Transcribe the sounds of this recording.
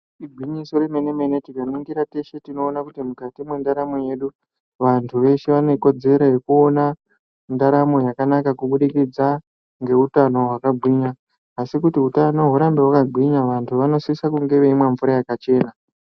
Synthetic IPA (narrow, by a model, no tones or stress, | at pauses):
iɡʱwiɲiso̞ɾemenemenetikaniŋɡiɾate̞ʃe̞tino̞ːnakutimukatimwe̞ndaɾamo̞je̞ɗu | ʋantʰuʋe̞ʃeʋane̞ko̞d͡ze̞ɾo̞je̞kuo̞na | ndaɾamo̞jakanakakuɓuɗikid͡za | ŋɡe̞utano̞ɦwakabʱwiɲaː | sikutiutanoɦuɾambewakabʱwiɲaʋantʰuʋano̞siisakuŋɡe̞ʋe̞imwe̞ɱvuɾajakat͡ʃe̞ːna